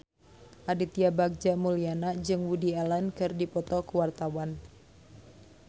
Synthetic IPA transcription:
ʔadit̪iabaɡ̚d͡ʒamulianad͡ʒɨŋwudialankɨrdipɔt̪ɔkuwart̪awan

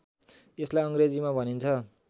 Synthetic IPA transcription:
eslajʌŋɡred͡zimabʱʌnint͡sʰʌ

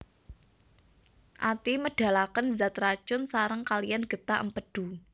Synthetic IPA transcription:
ʔat̪iməɖ̥a̤lakənzat̪rat͡ʃʊnsaɾəŋkalijanɡ̥ə̤t̪aʔəmpəɖ̥ṳ

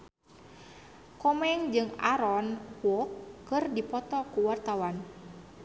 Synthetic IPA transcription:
kɔmɛŋd͡ʒɨŋa̰ɾɔnwɔkːɨrdipɔt̪ɔkuwart̪awan

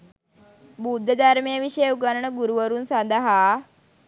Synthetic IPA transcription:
bud̪ʱːəd̪ʱaɾmijəʋiɕəjuɡanəɳəɡuɾuʋəɾuːnsãnd̪aɦa

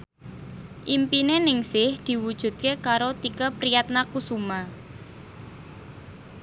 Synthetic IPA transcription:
ʔimpinenɪŋsɪhd̪̥i̤wud̥ʒ̥ṳt̪̚kekaɾot̪ikəpɾijat̪̚nakusuma

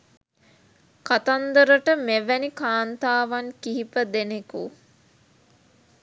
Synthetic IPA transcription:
kat̪and̪əɾəʈəmeʋænikaːnt̪aːʋaŋkiɦipəd̪eneku

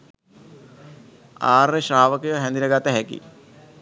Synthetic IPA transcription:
aːrːeʃaːʋəkəjoɦɛnd̪inəɡat̪əɦɛkḭ

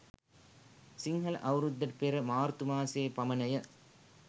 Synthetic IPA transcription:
sɪŋɡɐlʔɐʋɾɯd̪ːɐʈpeɾɐmaːɾt̪ɯmaːseːpɐmɐnɐjɐ

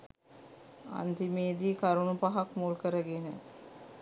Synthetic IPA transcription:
a̰nt̪imeːd̪ikaɾunupaɦakmuːlkəɾəɡenə

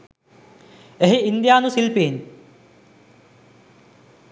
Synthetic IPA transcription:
eɦiind̪ijaːnusilpeːn

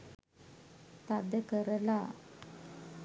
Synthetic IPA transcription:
t̪ad̪əkəɾəla

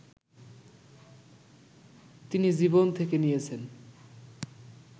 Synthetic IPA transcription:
t̪inid͡ʑibont̪ʰekenijet͡ɕʰen

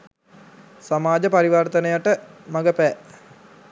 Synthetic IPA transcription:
samaːd͡ʒəpaɾiʋart̪ənəjaʈəmaɡəpɛː

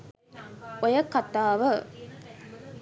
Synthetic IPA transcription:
ojɐkːat̪aːʋə

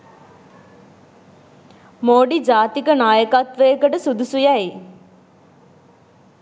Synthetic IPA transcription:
moːɖid͡ʒaːt̪ikənaːjəkat̪ʋəjːkəʈəsud̪usujæji

